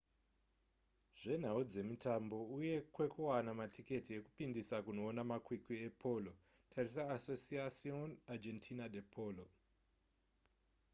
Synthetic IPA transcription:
ʐ̥e̞n̤aud͡ze̞mitʰambo̞uje̞kwe̞kuwanamatʰike̞tie̞kupindisakuno̞ːnamakwikiepʰo̞lo | tʰaris̬aːsosiasionad͡ʒentʰinadepʰoːlo

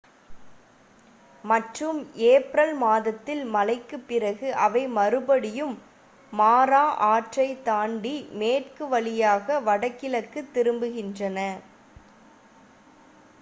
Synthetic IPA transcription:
mɐʈrɯmeːpɾɐlmaːðɐt̪ːɪlmɐlɐɪkːɯpːɪrɐɣɯʔɐʋɐɪmɐɾɯbɐɽɪjɯmː | aːɾaːʔaːʈrɐɪt̪aːɳɖimeːʈkɯʋɐɭɪjaːɣɐʋɐɽɐkːɪlɐkːɯt̪ːɪɾɯmbɯɣɪndrɐnɐ

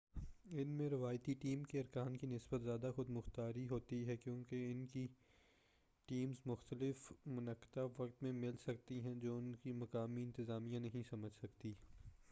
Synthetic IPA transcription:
ɪnmẽɾɪʋaːjt̪iʈiːmkeɐɾkaːnkinɪsbət̪zjaːd̪axʊd̪mʊxt̪aːɾiɦoːt̪iɦɛkjõːkeɪnki | ʈiːmzmʊxt̪əlɪfmʊnɐkːɪ̥t̪aʋɐk̚t̪mẽmɪlsɐk̚t̪iɦɛ̃d͡ʒoːʊnkimɐkaːmiɪ̃nt̪ɪzaːmijãnɐɦĩsɐməd͡ʒʱsɐkt̪iː

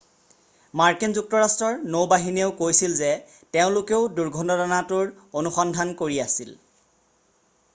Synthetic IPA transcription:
maɹkinzuk̚tɔɹastɹɔɹnowbaɦineʊkojsilzɛ | teʊ̃lʊkeʊduɹɡʱɔndɔdɔnatʊɹ | onuxɔndʱankoɹiasil

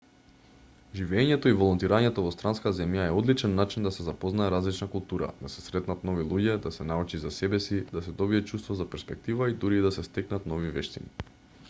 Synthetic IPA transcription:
ʒivɛɲɛt̪ɔivɔlˠɔnt̪iɾaɲɛt̪ɔvɔst̪ɾanskazɛmjaɛɔd̪lit͡ʃɛnːat͡ʃind̪asɛzapɔznaɛɾazlit͡ʃnakulˠt̪uɾa̰d̪̥asɛsɾɛt̪nat̪nɔvilˠuɟɛd̪asɛnaut͡ʃizasɛbɛsid̪asɛd̪ɔbiɛt͡ʃust̪vɔzapɛɾspɛk̚t̪ivaid̪uɾiːd̪asɛst̪ɛknat̪nɔvivɛʃt̪ḭni

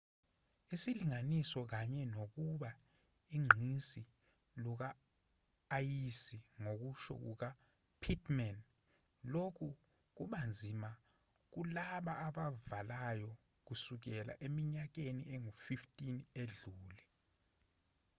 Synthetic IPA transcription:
isiliŋanisɔk̬aɲɛnok̬uɓa | iŋ͡ǁʱisi | luk̬aː | jisiŋok̬uʃɔ̰k̬ṵk̬a | pʰitʰmɛn | lokʰu | k̬uɓand͡zʱima | k̬ulaɓaːɓavalajɔ | k̬usuk̬ɛla̰ʔemiɲak̬enieŋufiftʼineɮuːlɛ

